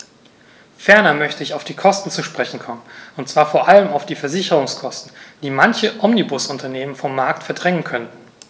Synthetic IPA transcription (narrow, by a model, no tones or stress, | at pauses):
fɛɐnɐmœçtəɪçaʊfd̥iːkʰɔstn̩t͡suʃpʁ̥ɛçn̩kʰɔmənʊntt͡sv̥aːɐfoːɐʔaləmaʊfd̥iːfɛɐzɪçəʁʊŋskʰɔstn̩d̥iːmançəʔɔmnibʊsʊntɐneːmənfɔmːaɐk̚tfɛɐdʁɛŋənkʰœntn̩